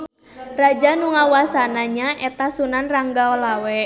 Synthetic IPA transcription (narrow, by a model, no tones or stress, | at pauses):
rad͡ʒanuŋawasanaɲaʔɛt̪asunanraŋɡaɔlawɛ